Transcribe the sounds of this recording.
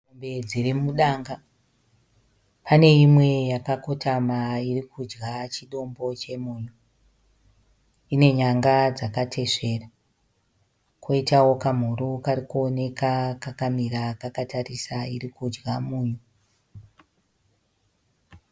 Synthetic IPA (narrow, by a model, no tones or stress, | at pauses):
umbe̞d͡zirimuɗaŋɡa | pʰane̞imwe̞jakako̞tʰamairikʰud͡ʒɡat͡ʃiɗo̞mbo̞t͡ʃe̞muːɲu | ine̞ɲaŋɡad͡zakatʰe̞ʂe̞ra | kʰoitawo̞kam̤uɾukaɾikuone̞kakakamiɾakakatarisairikud͡ʒɡamuːɲu